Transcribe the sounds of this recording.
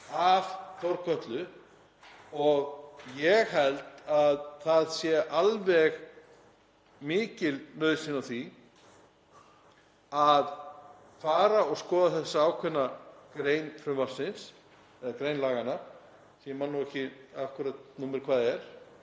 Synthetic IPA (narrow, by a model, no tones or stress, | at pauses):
avθɔɾkʰœt̪lʏ | ɔɣjɛɣhɛlt̪aðθaðsjɛʔalvɛɣ | mɪːcɪlnœːɥðsɪnawθi | að | faːɾaɔɣskɔːðaθɛsːaaːwkʰvɛnːakɾejnfɾʏmvar̥sɪns | ɛðakɾejnlaːɣanaɾ̥ | siɛmanːuɛhcɪafkʏɾat̪̚nuːmɪɾ̥kʰvaːðɛɾ̥